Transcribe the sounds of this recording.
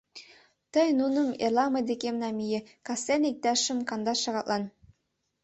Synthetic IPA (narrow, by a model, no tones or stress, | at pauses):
t̪ɤjnunɤmḛrlˠɑmɤd̪ekʲemnɑmʲijekɑsenik̚d̪ɑʃə̆mkɑnd̪ɑʃɑʁɑt̪lʔˠɑn